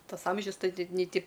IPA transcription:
ˈtɐs ˈɐmʲʒʲʊs ˈtɐɪ nʲɛɪ ˈtʲɪ

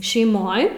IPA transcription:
ʃʲɛɪˈmoːj

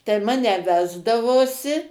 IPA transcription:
tɐɪ ˈmɑːnʲɛ ˈʋʲæːzdɐʋoːsʲɪ

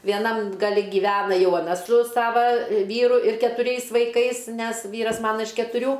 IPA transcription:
ʋʲiɛˈnɐm ɡɐˈlʲɪ ɡʲiːˈʋʲæːnɐ ˈjɛʊ ɐˈnɐ sʊ ˈsɑːʋɐ ˈʋʲiːrʊ ɪr kʲɛtʊˈrʲɛɪs ʋɐɪˈkɐɪs ˈnʲɛs ˈʋʲiːrɐs ˈmɑːnɐ ɪʃ kʲɛtʊˈrʲuː

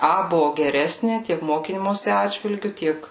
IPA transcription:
ˈɐ ˈbʊʋʊ ɡʲɛˈrʲæːsʲnʲɪ ˈtʲiɛk ˈmoːkʲiːmoːsʲɪ ˈɑːdʲʒʲʋʲɪlʲɡʲʊ ˈtʲiɛk

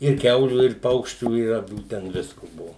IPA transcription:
ɪr ˈkʲɛʊlʲuː ɪr ˈpɐʊkʃʲt͡ʃʲuː ɪ ɐˈʋʲuː ˈtʲɛn ˈʋʲɪskʊ ˈbʊʋoː

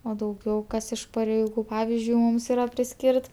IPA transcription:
oː dɐʊˈɡʲɛʊ ˈkɐs ɪʃ pɐrʲɛɪˈɡuː ˈpɑːʋʲɪzʲd͡ʒʲʊɪ ˈmuːms ɪˈrɐ pʲrʲɪˈsʲkʲiːrt

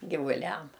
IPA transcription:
ɡʲɪʋʊˈlʲɛm

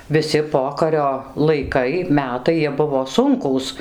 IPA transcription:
ʋʲɪˈsʲɪ ˈpoːkɐrʲoː lˠɐɪˈkɐɪ ˈmʲæːtɐɪ jiɛ ˈbʊʋoː ˈsʊŋkuːs

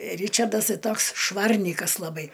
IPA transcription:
ˈrʲiːt͡ʃɐrdɐs ˈtɐɪ ˈtoːks ˈʃʋɐrʲnʲiːkɐs lˠɐˈbɐɪ

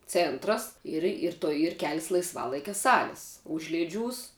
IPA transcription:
ˈt͡sʲeːntrɐs ɪr ɪr ˈtoːj ɪr ˈkʲæːlʲɪs lˠɐɪsˈʋɑːlˠɐɪkʲɛ ˈsɑːlʲɪs ˈʊʒʲlʲeːˌd͡ʒʲuːs

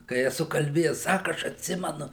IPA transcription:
kɐɪ ɛˈsʊ kɐlʲˈbʲeːjɛs ˈsɑːkʊ ˈɐʃ ɐtʲˈsʲɪmʲɛnʊ

